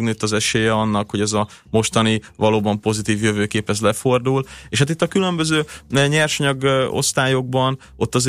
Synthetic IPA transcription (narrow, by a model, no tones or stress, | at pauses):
ɡnøːt̪ːɒzɛʃeːjɛɒnːɒkho̞ɟɛzɒ | mo̞ʃt̪ɒnivɒloːbɒmpo̞zit̪iːvjø̞vøːkeːpɛzlɛfo̞rd̪uleːʃhat̪it̪ːɒkylø̞mbø̞zøːɲɛrʃɲɒɡo̞̰st̪aːjo̞ɡ̚bɒn | o̞t̪ːɒz